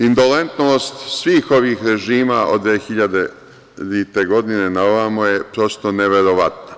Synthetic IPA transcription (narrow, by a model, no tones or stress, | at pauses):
ind̪o̞lent̪noːst̪sʋiːxo̞ʋiːxɾe̞ʒiːmaʔo̰d̪ʋexiʎad̪e | it̪e̞ɡo̞d̪ine̞naoʋamoje̞pɾo̞st̪o̞neʋe̞ɾo̞ʋat̪na